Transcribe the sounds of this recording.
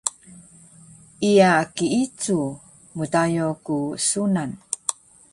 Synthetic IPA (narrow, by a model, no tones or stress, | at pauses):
ʔijakiit͡su | mutajokusunan